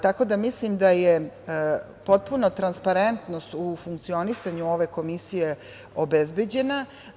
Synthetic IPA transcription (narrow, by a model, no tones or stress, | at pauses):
t̪ako̞d̪amislimd̪aje | po̞t̪̚punot̪ɾanspaɾent̪nost̪ufuŋkt̪sio̞nisaɲuo̞ʋe̞ko̞misije̞ | o̞bezbed͡ʑe̞na